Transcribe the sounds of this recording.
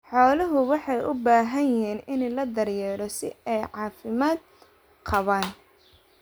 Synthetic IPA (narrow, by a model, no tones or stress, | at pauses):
ħɔːlɐɦʊwɑħɑjʊbaːɦɐjjɪɦiːnɪnlɐd̪ɐɾjɛːɾɔsɪ̰ɛjʕɑːfɪmaːd̪ | qʰɑβaːn